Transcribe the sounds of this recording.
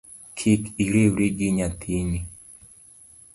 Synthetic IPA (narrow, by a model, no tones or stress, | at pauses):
kʰɪkiɾewɾeɡɪɲat̪ʰini